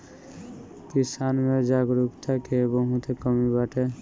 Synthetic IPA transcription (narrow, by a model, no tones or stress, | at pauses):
kisanmed͡ʒaɡɾukt̪ʰakebəɦũt̪ʰekəmibaʈʰe